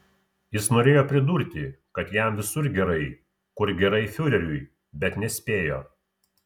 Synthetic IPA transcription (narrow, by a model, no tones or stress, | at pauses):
jɪsnoːɾʲeːjoːpʲɾʲɪd̪uːɾʲt̪ʲɪkɐt̪jæmʋʲɪsʊɾɡʲɛɾɐɪ | kʊɾɡʲɛɾɐɪfʲʊɾʲɛɾʲʊj | bʲɛt̪nʲɛsʲpʲeːjo̰ː